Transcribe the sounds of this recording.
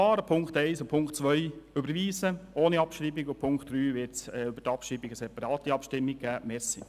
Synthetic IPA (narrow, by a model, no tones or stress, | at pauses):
ɑːɾəpʰʊŋktɛɪsopʰʊŋktt͡sʋœʏøbəɾviːsəʔoːniɑpʃɾiːbiɡʊpʰʊŋkt̪d̥ɾyːvɪɾtsɛybətɑpʃɾiːbiɡəsɛpɑɾɑːt̪iɑpʃtɪmːiɡ̚ɡ̥æːmɛsi